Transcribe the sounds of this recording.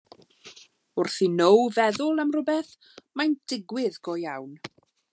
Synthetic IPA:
ʊrθinowvɛðʊlˠamrʊbɛθ | majnd̥ɪɡwɪðɡ̥ɔjawn

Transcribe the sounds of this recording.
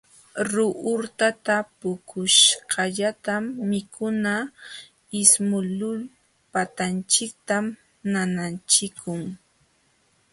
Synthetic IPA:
ɾʊʔʊɾt̪at̪apʊkʰʊʃɢɑʎat̪amːɪkʰʊna | ɪsmʊlʊl | pat̪ant͡ʃɪk̚t̪am | nanant͡ʃɪkʰʊŋ

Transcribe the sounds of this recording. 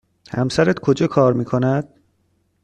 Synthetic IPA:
hæ̰msæɾæt̪kʰod͡ʒɒːkʰɒːɾmiːkʰonæd̪̥̚

